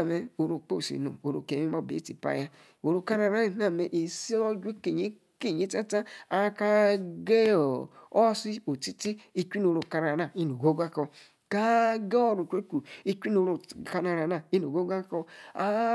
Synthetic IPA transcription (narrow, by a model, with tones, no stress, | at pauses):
me˨o˨ɾo˨k͡po˦˨sḭ˨no̰˨o˨ɾo˨ke˨˦i˦o˦˨bḛ˨˦tḭ˨pa̰˦ja˦ | o˨ɾo˨ka˦ɾa˨ɾa˦i˨na˨me˨ʔi˨si˦o˦d͡ʒʷe˦ke˨ɲi˦ | ke˦˨ɲi˦ta˦ta˦a˨˦ka˦ɡe˦o˨o˦si˦o˨ti˦ti˦i˦t͡ʃʷi˦n˨o˨ɾo˨ka˨ɾa˨ɾa˨i˦no˨ɡo˦ɡʷa˦kɔ˧ | ka˦ɡe˦o˦˨ɾu˨t͡ʃʷe˦ku˨i˦t͡ʃʷi˦no˨˦ɾo˨ka˨na˨ɾa˨na˨i˦n˨o˨ɡo˦ɡa˦kɔ˧a˦